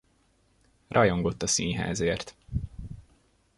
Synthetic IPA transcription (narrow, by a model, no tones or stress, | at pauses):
rʔɒjo̞ŋɡo̞t̪ːɒsiːnɦa̰ːzeːrt̪